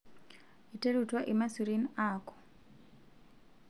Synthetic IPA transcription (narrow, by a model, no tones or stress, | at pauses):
iteɾutwaʔimasuɾinaːkɔ̥